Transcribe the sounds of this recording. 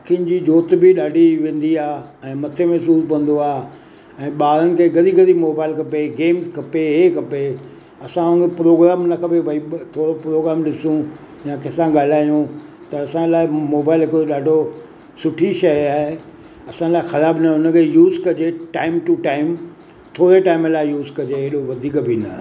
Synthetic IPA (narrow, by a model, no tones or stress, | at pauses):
akʰin̆d͡ʑiːd͡ʑoːt̪bɪɗaːɖʱiʋẽːn̆d̪iaːɛ̃ːmɐt̪ʰemɛsuːspɐ̃n̆d̪oaːɦ | ɛ̃ːɓaːɾənɪ̆kʰeːɡɐɗ̪iɡɐd̪imoːbaːɪlkɐpeɡeːmzkʰɐpeɦekɐpe | ɐsãɐɡpɾoːɡɾaːmnɐkʰɐpebʱɐit̪ʰoːɾopɾoːɡɾaːmɗɪsũ | jãkɪsãɠaːl̤aːjũ | t̪ɐɐsãlaːɪmoːbaːɪlɦɪkɾoɗaːɖʱo | sʊʈʰiʃɐjaːɦe | ɐsãɪlaːɪxɐɾaːbnɐʊnə̆kʰejuːzkɐd͡ʑeʈaːɪmʈuʈaːɪm | t̪ʰoːɾeʈaːɪmlaːɪjuːzkɐd͡ʑeɪɦɗoʋɐd̪ʱiːkbʱɪnɐ